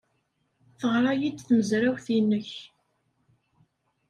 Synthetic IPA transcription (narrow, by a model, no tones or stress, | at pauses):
θəʁɾˤɑjid̪θməzɾæwθinːəç